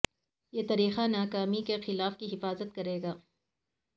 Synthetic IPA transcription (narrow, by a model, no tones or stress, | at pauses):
jeːt̪ɐɾiːxanaːkaːmikexɪlaːfkiɦɪfaːzət̪kɐɾeːɡaː